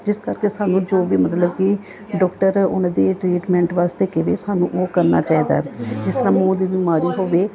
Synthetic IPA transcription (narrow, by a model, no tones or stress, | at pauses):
d͡ʒɪskəɾkeːsaːnũːd͡ʒoːʋiːmət̪ləbki | ɖɔːkʈəɾʊ̰nãːd̪eːʈɾiːʈmɛ̃ːɳʈʋaːst̪eːkɪʋḛːsaːnṵ̃ːʔoːkəɾna̰ːt͡ʃaːiːd̪a̰ːd͡ʒɪst̪əɾãːmõːd̪iːbiːmaːɾiːɦoːʋeː